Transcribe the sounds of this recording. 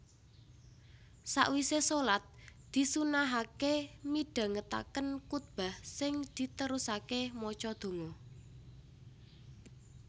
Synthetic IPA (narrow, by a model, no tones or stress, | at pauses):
sa̰ʔwisesolat̪̚d̪̥i̤sunaɦakemiɖ̥a̤ŋət̪a̰kənkut̪̚b̥a̤hsɪŋd̪̥i̤t̪əɾusakemɔt͡ʃɔd̪̥o̤ŋɔ